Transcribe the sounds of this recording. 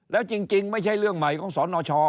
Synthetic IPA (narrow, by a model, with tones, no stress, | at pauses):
lɛː˨˦wt͡ɕi˧ŋt͡ɕi˧ŋma˧˥jt͡ɕʰa˧˥jlɨ˧˩əŋma˨˩jkɔ˧˥˦nsɔ˨˦nɔ˧t͡ɕɔ˧